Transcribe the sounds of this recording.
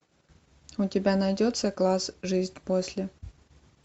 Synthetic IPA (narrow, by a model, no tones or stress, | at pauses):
ʊtʲɪbʲanɐjdʲot̪səklˠasʐɨzʲnʲposʲlʲɪ